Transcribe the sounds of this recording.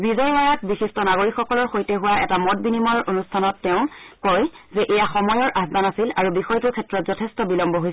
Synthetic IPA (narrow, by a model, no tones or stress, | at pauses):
bizɔjwaɹak̚bisistɔnaɡoɹikxɔkɔlɔɹxojtɛɦʊwaʔɛtamɔt̚binimɔɹonustʰanɔtːɛʊ̃kɔj | zɛʔɛjaxɔmɔjɔɹʔazbanasilaɹubixɔjtʊkʰɛtɹɔtz̥ɔtʰestɔbilɔmbɔɦojs